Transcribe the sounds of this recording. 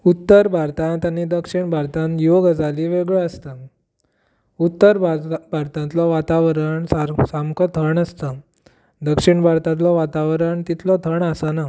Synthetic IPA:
ut̪ːəɾbʱaɾt̪ãnt̪añid̪əkʂiɳbʱaɾt̪ãnjoɡd͡zʱaliːʋeɡɭəəst̪ə | ut̪ːəɾbʱaɾt̪ãnt̪lɔʋat̪aʋɾəɳsasamkɔt̪ʰəɳəst̪ə | d̪əkʂiɳbʱaɾt̪ãt̪lɔʋat̪aʋɾəɳt̪it̪ʰlɔt̪ʰəɳəsana

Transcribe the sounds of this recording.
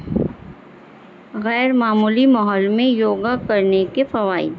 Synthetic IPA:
ɣɛːɾmaːmuːlimɔɦɔːlmẽjoːɡakɐɾnekefɐʋaːḭd̪

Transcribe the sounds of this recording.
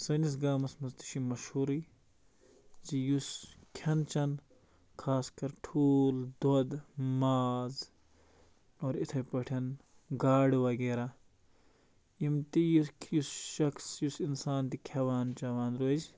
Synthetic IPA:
sɐnis̬ɡaːmɐsmɐzt̪i̥ʃimɐʃhuɾi | d͡ʒijuskʰɐnt͡ʃɐn | kʰaːskɐɾʈʰuːld̪ɐd̪maːz | oːɾit̪ʰɐpɐʈʰɐn | ɡaːɽʋɐɡeːɾa | imt̪ijuskjusʃɐkʰsjusinsaːnt̪ikʲʰɐʋaːnt͡ʃɐʋaːnɾod͡ʒ

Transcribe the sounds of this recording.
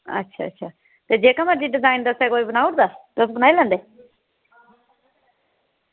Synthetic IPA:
ə̰tːʃʰa̰ːə̰tːʃʰaː | t̪eːd͡ʒeːkamaɾd͡ʒiːɖɪzaːɪnd̪əsɛːkoːiːbənaːʊɽd̪aːt̪oəsbənaːilɛ̃ːnd̪eː

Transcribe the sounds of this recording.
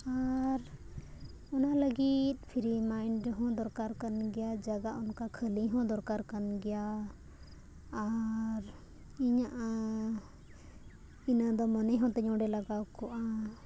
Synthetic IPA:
aɾ | ɔnaləɡit̪̚pʰiɾimaind͡ʒɔɦɔ̃d̪ɔɾkaɾkənɡɛjad͡ʒaɡaunkakʰəliɦɔ̃d̪ɔɾkaɾkənɡɛja | ɾ | iɲaʔ | inad̪ɔmɔnəjɦɔ̃t̪ɛɲɔ̃ɖɛlaɡawkɔʔa

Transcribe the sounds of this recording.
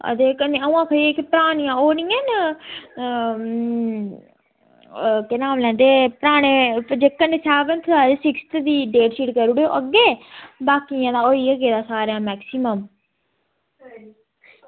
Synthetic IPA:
ə̰t̪eːkəneəũãːkʰəɾieːkpəɾaːñɪjãːoːnĩːɛnə | kɪnaːmlɛ̃ːnd̪eːpəɾaːɽ̃eːd͡ʒekːəneːsɛːʋənt̪ʰaːd͡ʒesɪkst̪ʰd̪iːɖeːʈsiːʈkəɾuɽeoʔəɡːeːbaːkijãːd̪aːoːiːəɡeːd̪aːsaːɾjãːmɛːksɪməm

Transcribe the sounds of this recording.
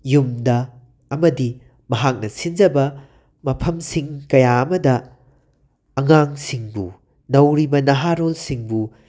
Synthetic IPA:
jumdɐː | mɐdi | mɐɦak̚nɐsind͡ʒɐbɐ | mɐpʰɐmsiŋkɐjaɐmɐdɐ | ɐŋaŋsiŋbṵ | nɐwɾibɐnɐɦaɾolsiŋbu

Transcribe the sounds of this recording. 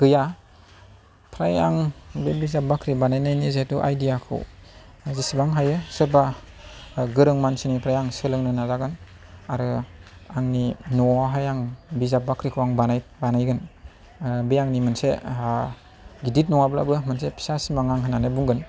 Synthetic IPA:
ɡ̥ɯja | pʰɾajaŋbebizap̚bakʰɾibanajnajnizetuʔa̰jdijakʰɯ̰w | zisibaŋɦajɯsɯɾba | ɡɯɾɯŋmansinipʰɾajaŋsɯlɯŋnɯnazaɡɯn | aɾɯaŋninɔaɦajaŋbizab̚bakʰɾikʰuwaŋbanajbanajɡɯn | bejaŋnimɯnsḛ | ɡidit̚nɔŋabla̰bɯmɯnsepʰi̥sasimaŋaŋɦananɯbuŋɡɯn

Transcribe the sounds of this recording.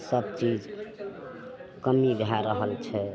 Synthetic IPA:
səbt͡ʃid͡ʒ | kəmibʱaɾəɦəlt͡ʃʰɛ

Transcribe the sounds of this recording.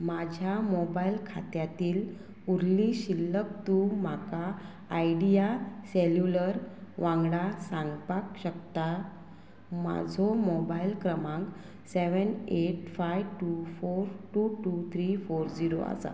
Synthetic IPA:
mad͡ʑʱjamobailkʰa̰t̪jat̪iːl | uɾliɕilːək̚t̪ũm̤akaː | jɖijaseljuləɾʋãŋɡɽasãŋɡpakɕək̚t̪a | ma̰d͡zʱɔmobailkɾəmãŋk | seʋəneʈfajʋʈufoɾʈuʈut̪ʰɾifoɾd͡ziɾo̰a̰sa̰

